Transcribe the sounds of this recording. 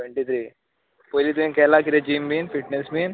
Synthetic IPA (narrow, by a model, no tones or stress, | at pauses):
eɳʈit̪ʰɾiː | poːilit̪umĩkɛːlakiɾed͡ʒiːmbiːnfiʈnesbiːn